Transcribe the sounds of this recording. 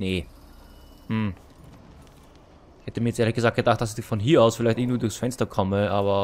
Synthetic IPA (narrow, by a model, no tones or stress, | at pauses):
neː | hm̩ | hhɛtəmiːjɛt͡sʔeːɐləçɡəzaːk̚ɡ̥ədaːχt̚d̥asɪçfɔnɦiːɐaʊsfɪlæɪtɪɐŋntv̥iːdʊːxsfɛnstɐkʰɔməʔaːbɐ